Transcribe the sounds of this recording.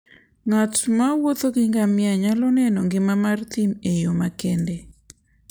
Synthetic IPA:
ŋatmawot̪oɡɪŋɡamɪaɲalɔnɛnɔŋɡɪmamart̪imejomakɛnde

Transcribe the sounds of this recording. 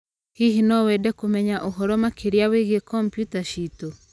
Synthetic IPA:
hiɦinɔwɛdɛkomɛɲaʔoɦɔɾɔmakeɾjaweɣekʰɔmpjutaʃito

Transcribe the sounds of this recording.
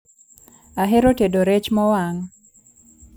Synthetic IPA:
aɦeɾotedoɾet͡ʃmɔwaŋ

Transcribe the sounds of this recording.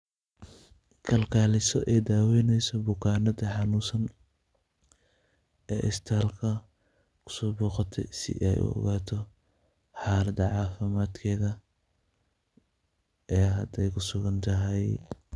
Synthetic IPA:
kʰɐlkʰaːlɪsɔʔɛːd̪aːwɛːnɛjsɔbʊkʰaːnɐðɐħɑnuːsɐn | ɛ̰ːʔɪst̪ʰaːlkʰɐ | kʰʊ̥sɔːbuːqɐt̪ʰɛsɪ̰ʔɛ̰jʔʊ̰ɔ̰ɣaːt̪ʰɔ | ħɑːlɐd̪ɐʕɑːfɪmaːd̪kʰɛːðɐ | ɛːɦɐd̪ɛjkʰʊsʊɣɐnt̪ʰɐɦɛj

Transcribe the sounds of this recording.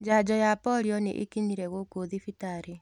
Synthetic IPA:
d͡ʒad͡ʒɔjapɔɾiɔnḛʔḛkiɲiɾɛɣokoðifitaɾe

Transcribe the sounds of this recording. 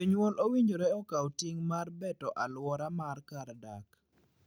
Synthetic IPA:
iɲwɔlʔowiɲd͡ʒoɾɛɔkawtɪŋmarbɛtɔʔalwɔɾamarkaɾdak

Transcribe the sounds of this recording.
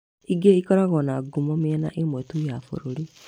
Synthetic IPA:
iɡeikɔɾaɣɔnaɡumɔmiɛna̰ʔemwɛtujafo̰ɾoɾi

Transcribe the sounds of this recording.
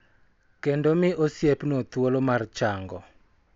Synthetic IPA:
kɛndɔmɪʔosjepnot̪wolomart͡ʃaŋɡɔ̰

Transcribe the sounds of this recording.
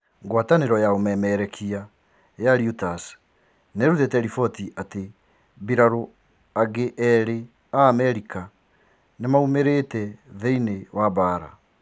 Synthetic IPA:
ŋɡwataneɾɔjaomɛmɛɾɛkʰia | jaɾjutas | neɾuðetɛɾifɔtiʔate | biɾaɾo | aɡeʔɛɾe | aːmɛɾika | nemaumeɾeːtɛðeinewabaɾa̰

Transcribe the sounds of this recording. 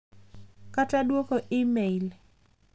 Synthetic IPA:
katadwokoʔimeil

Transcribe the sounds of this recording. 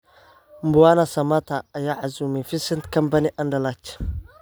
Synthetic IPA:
mbuanasɐmat̪aːjaʕazumifisintkampaniʔandalat͡ʃ

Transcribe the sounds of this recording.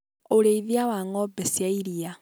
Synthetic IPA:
oleiðiawaŋɔbɛsjaiɾia

